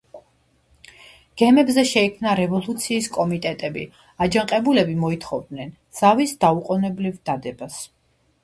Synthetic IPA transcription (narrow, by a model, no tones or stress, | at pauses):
ɡ̥ɛmɛbzɛʃɛikʰmnaɾɛvɔlˠut̪sʰiːskʼɔmit̪ʼɛt̪ʼɛbḭ | ad͡ʒaŋqʼɛbulɛbimɔit̪ʰχɔvd̪nɛn | z̥avisd̪auqʼɔnɛblivd̪ad̪ɛbas